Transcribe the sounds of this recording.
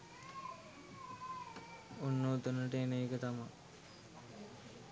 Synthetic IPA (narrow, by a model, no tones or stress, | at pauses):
unːoːt̪unəʈəenəikət̪amaŋ